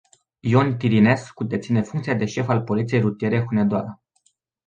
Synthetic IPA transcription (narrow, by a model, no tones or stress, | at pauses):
ijont̪iɾine̞skud̪et̪sine̞fuŋkt̪siad̪e̞ʃe̞falpo̞lit̪sije̞jrɾut̪ije̞ɾe̞xuned̪oaɾə